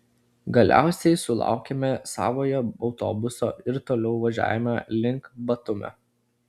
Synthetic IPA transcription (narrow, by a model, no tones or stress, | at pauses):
ɡɐlʲʔæ̰ˑʊsʲɛɪsʊlˠɑ̰ˑʊkʲemʲɛsɑ̰ːʋoːjɛɒʊt̪o̰ːbʊso̰ːɪɾt̪oːlʲɛʊʋɐʒʲæ̰ːʋʲjʲɛmʲɑlʲɪŋˑkbɐt̪ʊmʲɛ̰